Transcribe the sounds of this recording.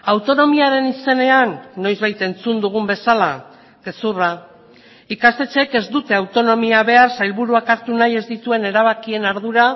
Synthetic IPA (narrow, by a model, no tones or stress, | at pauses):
awt̪o̞no̞miaɾe̞nise̞ne̞anːo̞jzβajt̪e̞nt͡sund̪uɣ̞umbe̞sala | ke̞sura | ikast̪e̞t͡ʃe̞ke̞zd̪ut̪e̞awt̪o̞no̞miaβe̞arsajlβuɾuakaɾt̪unaje̞zd̪it̪ue̞ne̞ɾaβ̞akie̞naɾðuɾa